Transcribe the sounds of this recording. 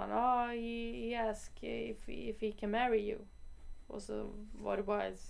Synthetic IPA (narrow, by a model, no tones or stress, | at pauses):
nohihiæskɪfɪfhikʰɨ̃nmæɹijʉ̰ | ɔ̰lˠso̰wʌ̰ɾəwaɪz̥